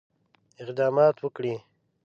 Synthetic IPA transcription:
ɪqd̪ɑːmɑːt̪wəkɽi

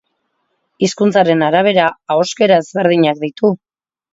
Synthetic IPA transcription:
iskunt͡saɾe̞naɾaβ̞e̞ɾaːoske̞ɾaezβe̞ɾð̞iɲakd̪it̪u

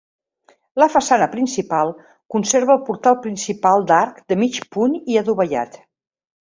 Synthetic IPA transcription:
ləfəsanəpɾinsipalˠ | kunseɾβəːlˠpuɾt̪alˠpɾinsipalˠd̪aɾkd̪əmit͡ʃpuniəðuβəʎa̰t̪

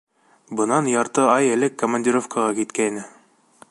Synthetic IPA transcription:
bɤ̆nɑnjɑɾt̪ɤɑjɘ̆lɘkːomɐnʲdʲiɾofkɑʁɑkit̪kæinɘ

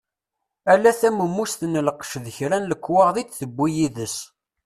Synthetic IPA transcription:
ælːæθæməmːust̪ənəlqʃðəçɾænləkːwɑʁðit͡s̪θəbːijiðəs

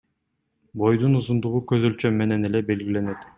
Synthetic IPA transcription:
bo̞jd̪unuzund̪uʁukøzølʲt͡ʃømːe̞ne̞ne̞le̞be̞lɡʲile̞net̪

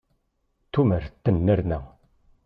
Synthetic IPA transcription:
t̪uməɾt̪ːənːəɾnə

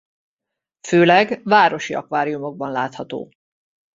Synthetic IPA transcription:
føːlɛɡvaːɾo̞ʃiɒ̰kʋaːɾijumo̞ɡ̚bɒnla̰ːt̪hɒt̪o̰ː

